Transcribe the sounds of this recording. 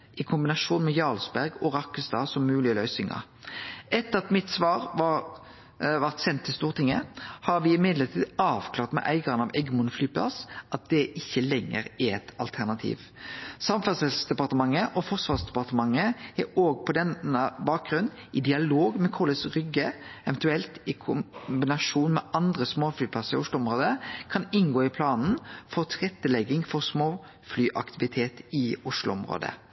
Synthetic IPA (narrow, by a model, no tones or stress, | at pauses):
ʔɪkʰʊmbɪnɑʂuːnmɛjɑːlsbæʁɡɔʁɑkːəst̪ɑːsɔmːʉːlɪəlœʏsɪŋɑ̰ʁ | ɛt̪ːəɑt̪mɪt̪sʋɑːʁʋɑ | ʋɑʁt̪sɛnt̪ʰːɪlst̪uːʁt̪ʰɪŋːəhɑɾʋɪɪmɪd̪ləʁt̪ʰiːd̪ɑːʋkʰlɑːʁt̪mɛ̰ʔæ̰ɪɡɑʁənɑʋʔɛɡmʊnflyːpʰlɑ̰sʔɑt̪̚d̪̥ɛʔɪçːəlɛŋːə̰ɾɛɛt̪ɑ̰lt̪ʰæʁnɑt̪ʰḭːʋ | sɑmfɛʁsɛlsd̪ɛpɑʁt̪əmɑŋːəʔɔfɔʁsʋɑːʁsd̪ɛpɑʁt̪əmɑŋːəɛoːɡpʰɔd̪ɛnəbɑːk̚ɡʁʉn | ɪd̪ɪɑloːɡmɛkʰuːləsʁʏɡːəɛʋɛnt̪ʉɛlt̪ɪkʰʊbɪnɑʂuːnmɛʔɑnd̪ʁəsmoːflyːpʰlɑsəɾɪʊʂlʊɔmɾoːd̪əkʰɑnɪnɡoːɪpʰlɑːnn̩fɔʁt̪ʰɪʁɛt̪ːəlɛɡɪŋfɔʁsmoː | flyːʔɑ̰kt̪ʰɪʋɪt̪ʰeːt̪ɪʊʂlʊ̰ɔmɾo̰ːd̪ə̰